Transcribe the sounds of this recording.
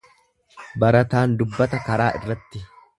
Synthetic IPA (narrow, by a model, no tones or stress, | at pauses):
bɐɾɐt̪aːnd̪ʊbːɐt̪ɐkɐɾaːʔɪrːɐt̪ːɪ